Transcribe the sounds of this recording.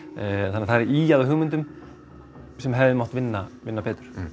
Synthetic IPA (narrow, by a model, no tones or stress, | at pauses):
θanːθaɾʔiːjaðʏɦʏːɣmɪnt̪ʏm | sɛmɦɛvðɪmɔht̪vɪnːavɪnːapɛːt̪ʏ̥ɾ̥